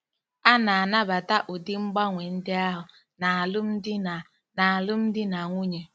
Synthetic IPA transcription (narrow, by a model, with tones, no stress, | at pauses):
a˦na˨a˨na˦ba˨ta˦ʔʊ˨dɪ˦ŋ͡m̩˦ɡ͡ba˦ŋʷe˨n̩˦dɪ˦a˦ɦʊ˨ | na˨lʊ˦m̩˦dɪ˦˨ | na˨a˨lʊ˦m̩˦dɪ˦na˨ŋʷu˦ɲe˨